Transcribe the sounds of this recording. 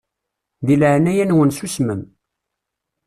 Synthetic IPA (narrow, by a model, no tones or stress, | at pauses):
ðilʕnæjænwənsusməm